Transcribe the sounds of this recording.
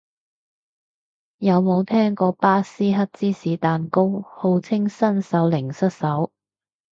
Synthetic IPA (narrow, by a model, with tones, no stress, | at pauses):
jɐ˨˧wmo˨˧wt̪ʰɛː˥ŋkɔː˧paː˥siː˥ɦɐ˥t̚t͡siː˥siː˨˥t̪aː˨nko˥who˨˧wt͡sʰɪ˥ŋsɐ˥nsɐ˨˥wlɪ˨˩ŋsɐ˥t̚sɐ˨˥w